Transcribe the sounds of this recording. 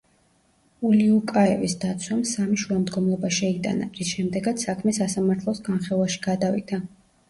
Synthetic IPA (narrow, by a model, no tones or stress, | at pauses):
uliukʼaɛvisd̪at̪sʰwamsamiʃuamd̪ɡɔmlˠɔbaʃɛit̪ʼa̰na̰ɾisʃɛmd̪ɛɡat̪ssakʰmɛsasamaɾt̪ʰlˠɔsɡanχɛlˠwaʃi̥ɡ̥ad̪avḭt̪ʰʼa